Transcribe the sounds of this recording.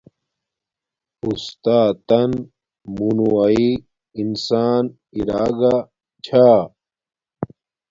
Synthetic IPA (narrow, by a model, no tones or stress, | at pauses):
ust̪aːt̪ɐn | munuwai | insaːn | iɾaːɡa | t͡ɕʰaː